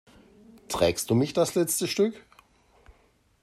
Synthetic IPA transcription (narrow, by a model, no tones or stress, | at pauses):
tʁ̥ɛːkst̚d̥uːmɪçd̥aslɛt͡stəʃtʏk